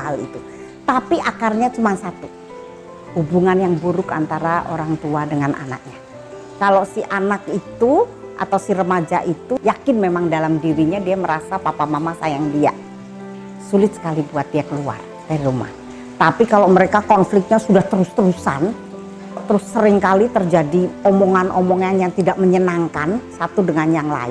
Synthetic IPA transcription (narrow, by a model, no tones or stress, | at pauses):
alḭt̪u | t̪apiʔakarɲat͡ʃumansat̪u | hubuŋanjaŋbuɾʊka̰nt̪aɾaʔo̰ɾaŋt̪uadəŋanʔa̰na̰k̚ɲa | kalosiʔanakit̪u | ʔa̰t̪awsirəmad͡ʒa̰ʔit̪ujakɪnmemaŋdalamdiɾiɲadiaməɾasapapamamasajaŋdia̰ | sulɪt̪̚sə̥kalibuat̪̚diakəlua̰r | t̪aɾiɾuma̰h | t̪apikaloməɾekakɔnflɪk̚t̪̚ɲasudaht̪əɾust̪əɾusa̰n | t̪əɾʊsːəɾɪŋkalit̪ərd͡ʒadiɔmɔŋanʔɔmɔŋanjaŋt̪idaʔ̚məɲənaŋkansat̪udəŋanjaŋla̰ɪn